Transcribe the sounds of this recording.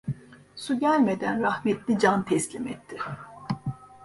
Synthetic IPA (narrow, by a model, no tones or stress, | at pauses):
suɟælʲme̞d̪ænɾahmɛt̪lʲid͡ʒant̪ʰɛslʲimɛt̪ʰːi̥